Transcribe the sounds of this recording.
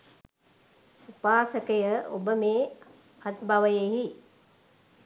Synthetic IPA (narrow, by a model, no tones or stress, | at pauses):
upaːsəkəjəʔo̰bəmeː | at̪baʋəjeːɦi